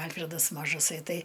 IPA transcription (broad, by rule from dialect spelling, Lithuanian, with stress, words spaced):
ˈɐlʲfʲrʲɛdɐs mɐʒɐˈsɐɪ ˈtɐɪ